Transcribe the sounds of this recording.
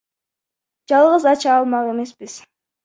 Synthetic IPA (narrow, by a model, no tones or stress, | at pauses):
d͡ʒɑlˠʁəzɑt͡ʃɑːlˠmɑʁe̞me̞sbiz̥